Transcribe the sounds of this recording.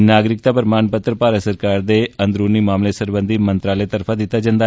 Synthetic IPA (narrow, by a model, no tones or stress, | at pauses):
naːɡɾɪk̚t̪apɾɐmaːɳpət̪ɾəpaːɾəsɐɾkaːɾd̪eɐnd̪ɾuːnimaːmlesəɾbənd̪ʱimɐ̃nt̪ɾaːlet̪ɐɾfʰad̪ɪt̪ad͡ʒɐ̃nd̪a